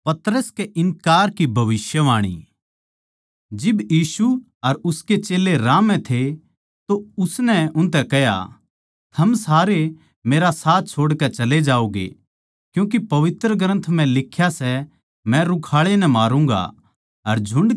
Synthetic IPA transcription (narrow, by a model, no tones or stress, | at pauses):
pɐt̪ɾəskeʔɪnkaːɾkibʱɐʋɪsjəʋaːɽ̃ḭ | d͡ʒɪbjiːsu | ɐɾʊsket͡ʃeːleɾaːmɛ̃t̪ʰe | t̪oʊsnɛʊnt̪ɛkɛɦja̰ | t̪ʰɐmsaːɾe | meːɾasaːt̪̚ʰt͡ʃʰoːɽkɛt͡ʃɐled͡ʒaːoːɡḛ | kjũːk̬ipɐʋɪt̪ɾəɡɾə̃nt̪ʰm̤ɛ̃lɪkʰːjasɛ | mɛ̃ɾʊkʰaːɭenɛmaːɾũːŋ̆ɡa̰ | ɐɾd͡ʒʱʊ̃ɳɖ